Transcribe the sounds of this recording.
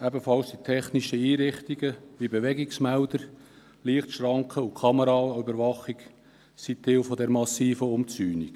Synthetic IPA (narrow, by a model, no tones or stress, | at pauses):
æbəfɑlsd̥̪it̪ʰɛχniʃəiːɾɪχt̪iɡəʋibeʋɛɡiksmæʊd̪əɾ | liəχt̪ʃɾɑŋkχəukʰɑməɾɑybəɾʋɑχik | sit̪ːɪwfɔd̪ɛɾmɑsiːfəʊmt͡syːnik